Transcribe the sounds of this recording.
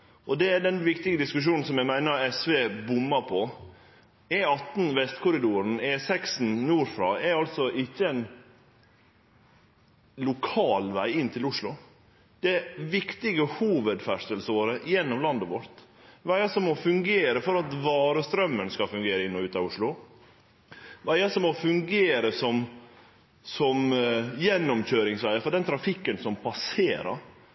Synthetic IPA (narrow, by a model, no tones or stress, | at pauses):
ʔɔd̪ɛɛɖɛnʋɪkt̪ɪɡəd̪ɪskʉʂ̬uːnn̩sɔmjæmæɪnəɾɛsʋeːbʊmːəɾpʰɔ | ɛɑt̪n̩ʋɛst̪kʰʊɾɪd̪uːɾən̩ɛsɛksn̩nuːɾfɾɑːɛɾɑlt̪sɔʔɪçːəɛn | lʊkʰɑːlʋæɪɪnːt̪ʰɪlʊʂlʊ | d̪̥ɛʋɪkt̪ɪɡəhuːʋəd̪fæʂʈ̪əlsəoːɾəjɛnːɔmlɑnd̪əʋɔɾt̪ | ʋæɪəsɔmɔfʉŋɡeːɾəfɔɾɑt̪ʋɑːɾəst̪ɾœmːənskɑfʉŋɡeːɾəɪnːɔʉːt̪ɑʊʂlʊ | ʋæɪəsɔmɔfʉŋɡeːɾəsɔm | sɔmjɛnːɔmçøːɾɪŋsʋæɪəfɔɖɛnt̪ʰɾɑfɪkːənsɔmpʰɑseːɾə̰ɾ